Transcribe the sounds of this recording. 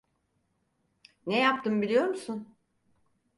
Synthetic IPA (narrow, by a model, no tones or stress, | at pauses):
nejap̚t̪ɯmbilʲijo̞ɾmusun